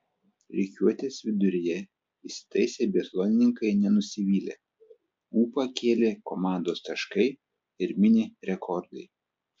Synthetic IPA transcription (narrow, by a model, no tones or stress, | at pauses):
ɾʲɛkʲuɔt̪ʲeːsʋʲɪd̪ʊɾʲɪjɛ | isʲɪ̥t̪ɐɪsʲeːbʲiɛt̪lˠonʲɪnʲɪŋkɐɪnʲɛnʊsʲɪʋʲiːlʲḛː | uːpɐkʲʰeːlʲekomɑˑnd̪oːst̪ɐʃkɐɪ | ɪɾmʲɪnʲɪɾʲɛkʰɔɾd̪ɐɪ